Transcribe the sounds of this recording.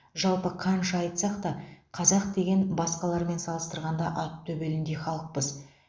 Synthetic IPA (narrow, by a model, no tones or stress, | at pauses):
ʒɑlˠpəqʰɑnʃɑjt̪sɑqt̪ɑqʰɑzɑq̚d̪e̞ɡʲe̞nbɑsqɑlˠɑɾme̞nsɑlˠəst̪əɾʁɑnd̪ɑʔɑt̪ʰːɵbe̞lɪnd̪e̞χɑlˠəq̚pəz